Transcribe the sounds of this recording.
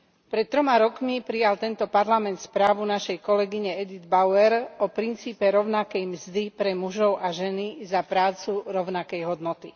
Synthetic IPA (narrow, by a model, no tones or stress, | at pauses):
pɾɛt̪̚ːɾɔmaɾɔkmipɾijalt̪ɛnt̪ɔpaɾlamɛnt̪spɾaːʋunaʃɛjkɔlɛɡiɲɛɛd̪id̪baʊɛɾɔpɾint͡siːpɛɾɔʊnakɛjmzd̪ipɾɛmuʒɔʊʔaʒɛnizapɾaːt͡suɾɔʊnakɛjɦɔd̪nɔt̪i